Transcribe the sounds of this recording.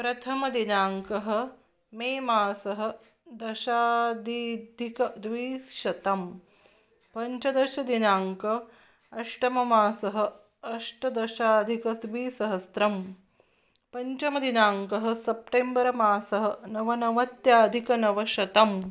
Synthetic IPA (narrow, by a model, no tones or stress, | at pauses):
pɾɐt̪ʰɐmɐd̪inaːŋkɐɦɐ̆ | meːmaːsɐɦɐ̆ | d̪ɐʃaːd̪id̪ʱikɐd̪ʋiːsʃɐt̪ɐm | pɐɲt͡ʃɐd̪ɐʃɐd̪inaːŋkɐ | ɐʂʈɐmɐmaːsɐɦɐ̆ | ɐʂʈɐd̪ɐʃaːd̪ʱikɐsʋiːsɐɦɐst̪ɾɐm | pɐɲt͡ʃɐmɐd̪inaːŋkɐɦɐ̆sɐp̚ʈeːmbɐɾɐmaːsɐɦɐ̆nɐʋɐnɐʋɐt̪jaːd̪ʱikɐnɐʋɐʃɐt̪ɐm